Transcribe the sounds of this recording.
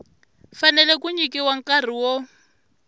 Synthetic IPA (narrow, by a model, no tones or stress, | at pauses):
fanɛlɛkuɲikiwaŋkar̤iwɔ